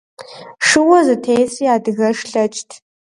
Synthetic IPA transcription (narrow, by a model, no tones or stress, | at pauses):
ʂɨwɔzɨtʰeːjsiːaːdɨɣɐʂɬɐt͡ʃʼtʰ